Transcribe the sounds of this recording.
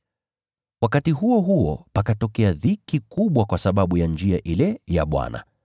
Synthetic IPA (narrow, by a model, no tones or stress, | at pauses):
wakatiɦuɔɦuɔpakatɔkɛaðikikuɓwakwasaɓaɓujand͡ʒiaʔilɛja̰ɓwa̰na̰